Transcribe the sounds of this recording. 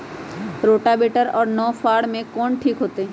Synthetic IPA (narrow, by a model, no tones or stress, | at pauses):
ɾoːʈabeːʈəɾɔːɾnɔːfʰaːɽmẽkɔːɳʈʰiːkɦoːt̪eɦɛ̃ː